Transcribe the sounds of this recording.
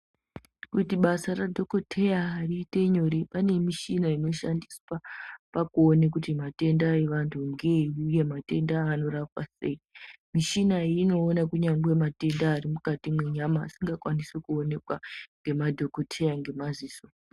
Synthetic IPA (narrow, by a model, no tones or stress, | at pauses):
kutiɓasaradʱo̞kotʰe̞jaːrite̞ɲo̞ɾepanemiʃinaino̞ʃandiswapakuonek̬utimate̞ndae̞ʋantʰuŋɡeuje̞mate̞ndaːno̞rapwase̞imiʃinaiino̞ːnakuɲaŋɡwe̞mate̞ndaːrimukatimweɲama̰ːsiŋɡakwanisekuone̞kwaŋɡe̞madʱo̞kotʰe̞jaŋɡe̞maziːso